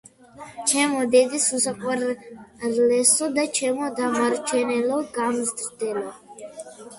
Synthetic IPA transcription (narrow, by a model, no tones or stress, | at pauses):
t͡ʃʰɛmɔd̪ɛd̪isusaqʼwɛɾɾlɛsɔd̪at͡ʃʰɛmɔd̪amaɾt͡ʃʰɛnɛlɔɡamzd̪ɾd̪ɛlɔ